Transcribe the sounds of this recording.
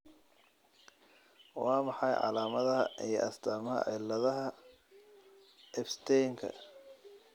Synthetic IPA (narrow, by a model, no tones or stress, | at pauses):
wɑːmɑħɑjʕɑ̰laːmɐðɐɦɐ̰ijɞ̰ʔɐst̪ʰaːmɐɦɐ̰ʕɛlɐðɐɦɐ | ʔɛbst̪ʰɛjŋkʰɐ̰